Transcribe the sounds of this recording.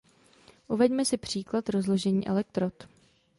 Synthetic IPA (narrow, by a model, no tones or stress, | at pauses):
ʔuvɛɟmɛsɪpr̝̥iːklat̪ɾozloʒɛɲiːʔɛ̰lɛk̚t̪ɾot̪